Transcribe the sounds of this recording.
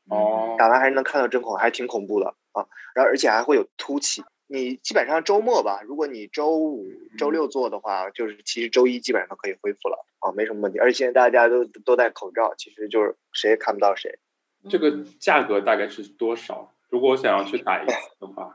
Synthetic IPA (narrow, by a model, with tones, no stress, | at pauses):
ɔ˥˩a˨˩ma˥xa˧˥ʂɻ̩˥˧n˧˥kʰt̪ʈ͡ʂɤ˥nkʰʊ˨˥ŋ˩xt̪ʰi˧˥ŋkʰʊ˨˩ŋpu˥˩d̪ə̰˩ | ə˧˩ə˧˥˧ə˞˧˥t͡ɕʰjɛ˨˩xa˧˥ɪxwe˥˩ɪjo˨˩ʊt̪ʰu˥t͡ɕʰi˧˩ | ni˨˩t͡ɕi˥pə˨˩nʂɑ˥˩ŋʈ͡ʂo˥ʊmwɔ˥˩bɐ˩ɻu˧˥kwɔ˧˥ni˨˩ʈ͡ʂo˥ʊu˨˩ʈ͡ʂo˥ʊljo˥˧ʊt͡swɔ˥˩d̪ə˩xwa̰˥˩t͡ɕjo˥˧ʊʂɻ̩˥˩t͡ɕʰi˧˥ʂɻ̩˧˥ʈ͡ʂo˥ʊi˥t͡ɕi˥pə˨˩nʂɑ˥˩ŋkʰɤ˧˥i˨˩xwe˥ɪfu˥˩lə̰˩ | ə˥˧m˧˥ɪʂə˧˥mə˧wt̪ʰi˞˧˥˩ɕɛ˥˧˥n˥t̪a˥˩t͡ɕja˥t̪o˥ʊt̪o˥ʊt͡sa˥˩ɪkʰo˨˩ʊʈ͡ʂɑ˥˩ʊt͡ɕʰi˧˥ʂɻ̩˧˥t͡ɕjo˥˧ʊʂɻ̩˥˩ʂe˧˥ɪ˨˩kʰa˥˩pu˧˩t̪ɑ˥˩ə˩ʂḛ˧˥ɪ | ʈ͡ʂɤ˥˩ɡə˩t͡ɕja˥˩kɤ˧˥t̪a˥˧ka˥˧ɪʂɻ̩˥˩t̪wɔ˥ʂɑ̰˨˩˦ | ɻu˧˥kwɔ˨˩wɔ˧˥ɕjɑ˨˩ŋjɑ˥˧ʊt͡ɕʰy˥˩t̪a̰˨˩i˥˩˥ə˧xwa̰˥˩